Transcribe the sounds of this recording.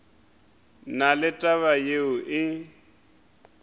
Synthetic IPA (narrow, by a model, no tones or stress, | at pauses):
nalɪtʼaβajeʊʔɪ